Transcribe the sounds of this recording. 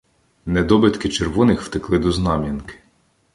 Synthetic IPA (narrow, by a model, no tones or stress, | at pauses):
nɛd̪ɔbɪt̪kɪt͡ʃerʋɔnɪxwt̪ɪklˠɪd̪ɔznɑmʲinkɪ̥